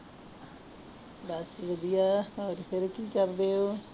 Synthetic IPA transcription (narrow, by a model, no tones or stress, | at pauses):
d̪ɐsʋəd̪ijaːɔːɾpʰɪɾkiːkəɾd̪eːoː